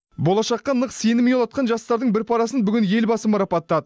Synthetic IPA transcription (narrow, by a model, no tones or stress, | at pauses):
bo̞lˠɑʃɑqːɑnəqse̞nɪmejolˠɑt̪̚qɑnʒɑst̪ɑɾd̪əɴbɪɾpʰɑɾɑsənbʏɡʲɪnje̞lbɑsəmʊɾɑpɑt̪ːɑd̪ə